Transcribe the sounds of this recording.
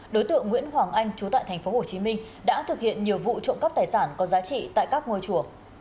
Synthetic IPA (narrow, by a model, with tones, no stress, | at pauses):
ɗo˨˦jt̪ɨ̰˧˨əŋːwḭ˧˥ənɦwaː˨˩ŋʔa˧jŋ̟t͡ɕu˨˦t̪a̰ː˧˨jt̪ʰŋ̟fo˨˦ho˧˩t͡ɕi˨˦mï˧ŋ̟ | ɗa̰ː˧˥t̪ʰɨ˨˩k̚hḭ˧˨ənɲi˨˩əwvṵ˧˨t͡ɕo̰˧˨ŋ͡mkə˦˥p̚t̪aː˨˩jsaː˧˩nkɔ˨˦zaː˨˦t͡ɕḭ˧˨t̪a̰ː˧˨jkaː˦˥k̚ŋo˧jt͡ɕu˧˩ə